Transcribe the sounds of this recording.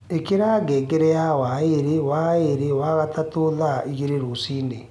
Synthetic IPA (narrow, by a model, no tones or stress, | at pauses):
ekeɾaɡɛːɡɛɾɛjawaeɾewaeɾewaɣatatoːðaiɣeɾeɾosiːne